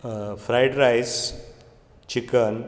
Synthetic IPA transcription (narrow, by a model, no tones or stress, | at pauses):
fɾajɖɾajs | t͡ɕikən